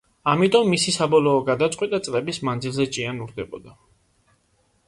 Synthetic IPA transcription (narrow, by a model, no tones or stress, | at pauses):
amit̪ʼɔmːisisabɔlɔːɡad̪at̪sʼqʼwɛt̪ʼat̪sʼlɛbismand̪zilˠzɛt͡ʃʼianuɾd̪ɛbɔ̰d̪a